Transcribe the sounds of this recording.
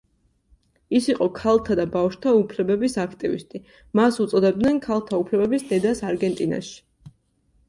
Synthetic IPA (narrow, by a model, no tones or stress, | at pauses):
isiqʼɔkʰalˠt̪ʰad̪abafʃt̪ʰaupʰlɛbɛbisakʰt̪ʼivḭst̪ʼi | masut̪sʼɔd̪ɛb̚d̪nɛnkʰalˠt̪ʰaupʰlɛbɛbisd̪ɛd̪asaɾɡɛnt̪ʼina̰ʃi̥